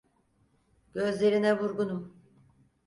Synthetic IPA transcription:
ɟ̥ø̞zlʲe̞ɾinɛvuɾɡunum

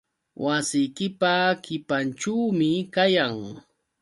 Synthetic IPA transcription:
wʔasɪjkɪpakɪpanʈ͡ʂuwmɪkajaŋ

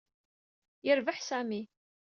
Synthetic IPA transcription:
jəɾvəħsæmi

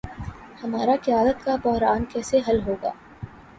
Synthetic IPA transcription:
hɐmaːɾakɪjaːd̪ət̪kabɔɦɾaːnkɛːseɦɐlɦoːɡa̰ː

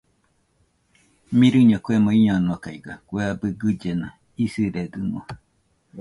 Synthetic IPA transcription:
mĩɾɨɲokʷemõiɲonokaiɡa̰kʷeabɨɡɨd͡ʒena | isiɾeɡɨmo̰

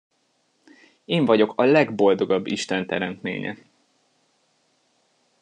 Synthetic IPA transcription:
eːɱvɒɟo̞kʰɒlɛɡbo̞ld̪o̞ɡɒbːiʃt̪ɛnt̪ɛɾɛnt̪mḛːɲɛ̰

